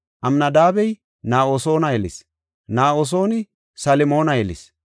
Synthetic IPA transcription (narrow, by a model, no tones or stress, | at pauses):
ʔɐmnɐd̪aːbɛj | naːʔoːso̞ːnɐjɛlɪ̰s | naːoːs̬o̞ːnɪ | sɐlɪmo̞ːnɐjɛlɪ̰s